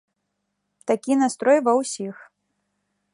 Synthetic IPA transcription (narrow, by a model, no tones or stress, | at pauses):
t̪akʲinast̪ɾɔjvɐwsʲix